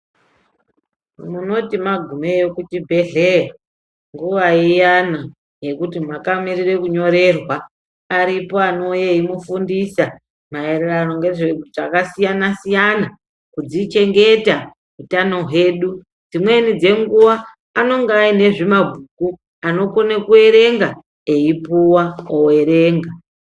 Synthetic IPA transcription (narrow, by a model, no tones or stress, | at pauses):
muno̞timaɡʱume̞jo̞kutibʱe̞ɮera | ŋɡuʋaijana | je̞kutimakamirire̞kuɲo̞ɾe̞rwa | aɾipo̞ano̞jeimufundisa | mae̞rerano̞ŋɡe̞ʐeuʐakasijanasijana | kud͡zit͡ʃe̞ŋɡe̞ta | utano̞ɦwe̞ːɗu | d͡zimwe̞nid͡ze̞ŋɡuʋaː | no̞ŋɡeaine̞ʐimabʱuku | ano̞konekue̞ɾe̞ŋɡa | eipuwaoe̞ɾe̞ːŋɡa